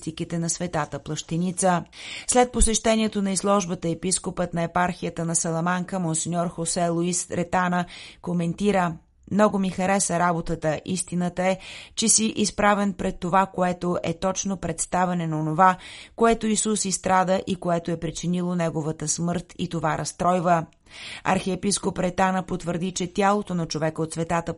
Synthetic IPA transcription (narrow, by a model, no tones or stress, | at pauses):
t̪ikit̪ɛnɐsvɛt̪at̪əplˠəʃt̪ɛnit̪səslɛt̪̚posɛʃt̪ɛnʲiɛt̪onɐizlˠɔʒbət̪əɛpiskopət̪nɐɛpaɾxijət̪ənɐsɐlˠɐmaŋkəmonsinʲɔɾxosɛlˠuisɾɛt̪anəkomɛnt̪iɾə | mnɔɡomixɐɾɛsəɾabot̪ət̪əʔist̪inət̪əɛt͡ʃɛsiʔispɾavɛnpɾɛt̪ːovakoɛt̪oʔɛt̪ɔt͡ʃnopɾɛt̪st̪avɛnɛnɐonovakoɛt̪oisusist̪ɾad̪əʔikoɛt̪oɛpɾit͡ʃinilˠonɛɡovət̪əsmɤɾt̪ḭt̪ovaɾɐst̪ɾɔjvə | ɐ̰ɾxɛɛpiskopɾɛt̪anəpot̪vəɾd̪it͡ʃɛt̪ʲalˠot̪onɐt͡ʃovɛkəot̪svɛt̪at̪ə